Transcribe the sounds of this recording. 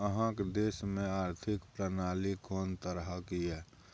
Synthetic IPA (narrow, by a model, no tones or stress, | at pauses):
əɦãkd̪eːsmẽaːɾt̪ʰɪkpɾənaːlikɔːnt̪əɾɦəkiɛː